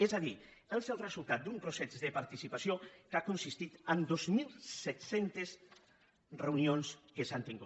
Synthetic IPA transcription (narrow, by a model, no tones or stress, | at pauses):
ezaði | əlˠsɛwrəzulˠt̪at̪̚d̪umpɾosɛzðəpaɾt̪isipasijokakonsist̪it̪ənd̪ozmilˠsɛt̪sent̪es | rewnionskəsant̪iŋɡu